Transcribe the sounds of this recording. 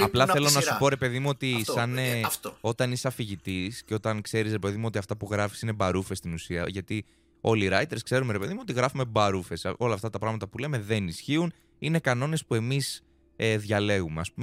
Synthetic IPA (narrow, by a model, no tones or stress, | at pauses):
ɐplɐθθe̞lonɐsupo̞ɾe̞pe̞ðimuo̞t̪isɐnefo̞t̪ɐniseɐfiʝit̪isceo̞t̪ɐnkse̞ɾisɾepe̞ðimuo̞t̪iɐft̪ɐpuɣɾɐfi̥sine̞bɐɾufe̞st̪inusiɐ̰ʝɐt̪i | o̞liɾɐjt̪e̞ɾskse̞ɾumeɾepe̞ðimuo̞t̪iɣɾɐfume̞bɐɾufe̞so̞lɐːft̪ɐt̪ɐpɾɐɣmɐt̪ɐpule̞me̞ðe̞nisçiun | ine̞kɐno̞ne̞spue̞mis | eðʝɐle̞ɣumeɐspume